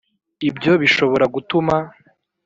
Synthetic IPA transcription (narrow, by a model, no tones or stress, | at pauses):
ibɟjo̞βiʃo̞βo̞ɾaɡutuma